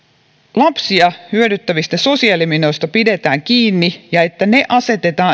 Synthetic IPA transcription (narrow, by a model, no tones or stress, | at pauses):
lɑpsiɑhyødyt̪ːæʋist̪æso̞siɑlimino̞jst̪ɑpide̞t̪æːŋk̟iːnːijɑe̞t̪ːæne̞ʔɑse̞t̪e̞t̪ɑː